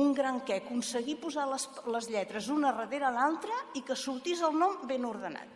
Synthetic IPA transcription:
uŋɡɾaŋkɛkunsəɣipuzaləsləzʎɛt̪ɾəzunərəðeɾəːlalˠt̪ɾəikəsuɾt̪izəlˠnɔmbenuɾðəna̰t̪

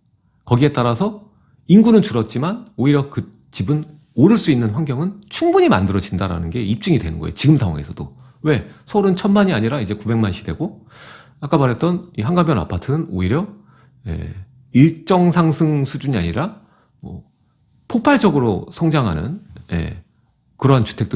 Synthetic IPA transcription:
kʌɡie̞t͈aɾasʰʌ | inɡunɯnt͡ɕuɾʌt̚t͡ɕ͈imanoiɾjʌkɯ | t͡ɕibɯn | oɾɯɭs͈uinːɯnɸwaŋɡjʌŋɯnt͡ɕʰuŋbuɲima̰ndɯɾʌd͡ʑindaɾa̰nɯnɡe̞ip̚t͡ɕ͈ɯŋidwe̞nɯnɡʌejot͡ɕiɡɯmsʰaŋwa̰ŋe̞̰sʰʌd̥o | we̞sʰʌuɾɯnt͡ɕʰʌnmaɲiaɲiɾaid͡ʑe̞kube̞ŋmanɕʰi̥dwe̞̰ɡo | ak͈amaɾjet̚t͈ʌniɦaŋɡabjʌna̰pʰatʰɯnɯnoiɾjʌ | jḛ | iɭt͡ɕ͈ʌŋsʰaŋsʰɯŋsʰud͡ʑuɲia̰ɲiɾa | mwʌ̰ | pʰopʰaɭd͡ʑʌɡɯɾosʰʌŋd͡ʑaŋɦa̰nɯ̰njḛ | kɯɾʌɦant͡ɕu̥tʰe̞k̚t͈

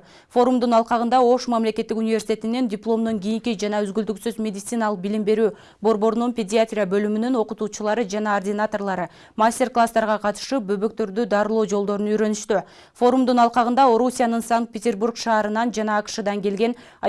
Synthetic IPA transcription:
fo̞ɾumd̪unɑlˠqɑʁɯnd̪ɑo̞ʃmamle̞kʲe̞t̪ːikunʲɪvʲe̞rsʲt̪ʲe̞t̪inendʲɪplˠo̞md̪oŋɡʲijiŋkʲid͡ʒɑnɑøzɡyld̪yksyzmʲe̞dʲɪt̪sɨnalˠɯq̚bilimbe̞ɾyː | bo̞ɾbo̞ɾnunpʲedʲɪat̪rʲɪjabø̞lymynyno̞qut̪uːt͡ʃulˠɑɾɯd͡ʒɑnɑordʲɪnat̪o̞rlˠɑɾɯ | masʲtʲe̞rklˠast̪ɑɾʁɑqʰɑt̪ɯ̥ʃɯp̚bøβø̞k̚t̪ø̞ɾd̪yd̪ɑɾɯlˠoːd͡ʒo̞lˠd̪o̞ɾunyjɾø̞nyʃt̪y | fo̞ɾumd̪unɑlˠqɑʁɯnd̪ɑo̞ɾusʲijanɯnsaŋkt̪̚pʲetʲe̞rburkʃɑːɾɯnɑnd͡ʒɑnɑːqɯ̥ʃɯd̪ɑŋɡe̞lɡe̞n

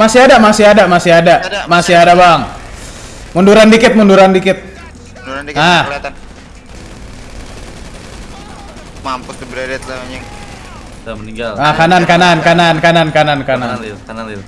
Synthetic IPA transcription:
masiɦadamasiadamasiɦadamasiɦadabaŋ | munduɾandikɪt̪̚munduɾandikɪt̪̚ | a | mampusəbɾadɛt̪laɲəŋ | niŋɡalakanankanankanankanankanankanan

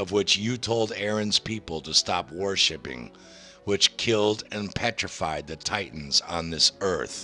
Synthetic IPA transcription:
ʌvwɪt͡ʃjɨtʰoʊlˠdɛɹɨ̃nz̥pʰipl̩ˠtʰɨstɑpwɜ˞ʃɨpɪ̰̃ŋ | wɪt͡ʃkʰɪlˠdɨ̃npʰɛt͡ʃɹ̥ɨfaɪd̪̚ðɨtʰaɪʔn̩zn̩ðɪsɜ˞θ

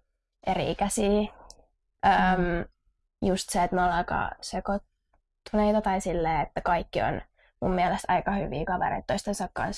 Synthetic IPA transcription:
ʔerḭːkæsiː | ʔəːm | just̪seet̪nolɑkɑ̰sekot̪ː | uneit̪ɑt̪ɑisilːeːet̪ːækɑikːio̰n | mummiɛlest̪ɑikɑhy̰ʋḭːkɑʋḛɾḛit̪ːoist̪ensɑkkɑ̰ns

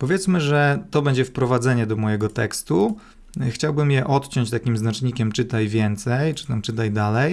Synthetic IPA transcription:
pɔvʲjɛt̪smɘʐɛt̪ɔbɛɲd͡ʑɛfpɾɔvad̪zɛɲɛd̪ɔmɔjɛɡɔt̪ɛ̰kst̪u | xt͡ɕawbɘmjɛʔɔt̪t͡ɕɔɲt͡ɕt̪akʲimznat͡ʂɲikʲɛmt͡ʂɘt̪ajvʲjɛnt̪sɛjt͡ʂɘ̥t̪amt͡ʂɘt̪̬ajd̪alɛj

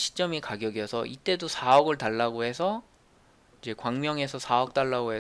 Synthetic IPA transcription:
ɕʰi̥t͡ɕ͈ʌmekaɡjʌɡjʌsʰʌ̰ʔit͈e̞dosʰaʌɡɯɭtaɭːaɡoɦe̞sʰʌ | id͡ʑe̞kwaŋmjʌŋe̞sʰʌsʰaʌk̚t͈aɭːaɡoɦe

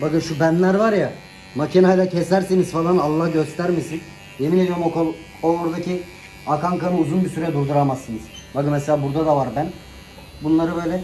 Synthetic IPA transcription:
bakɯnʃubænlʲæɾvaɾja | macʰinajd̪ˠacʰesæɾsiniz̥falˠanalˠːahɟøst̪ʰæɾmisin | jemined̪ijoɾmkˠ | oːɾd̪acʰi | akaŋkamɯuzunbisyɾɛd̪uɾd̪uɾamasːɯnɯz̥bakɯnmɛselʲaːbuɾd̪ad̪avaɾbæn | bunlˠaɾɯbø̞jlʲɛ

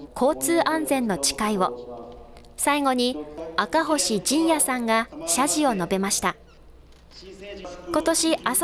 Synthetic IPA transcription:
kʰo̞ːt͡sɨːʔãnd͡zẽ̞nːo̞t͡ɕi̥kaiβo̞ | saiɡo̞ɲ̟iakaɦo̞ɕid͡ʑĩɰ̃jasãŋɡaɕaʑio̞no̞be̞maɕi̥t̪a | ko̞t̪o̞ɕias

